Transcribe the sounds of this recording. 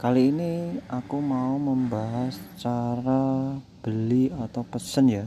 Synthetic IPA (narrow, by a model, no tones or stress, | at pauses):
kaliːniakumauməmbaɦast͡ʃaɾab̥əliat̪awpəsənja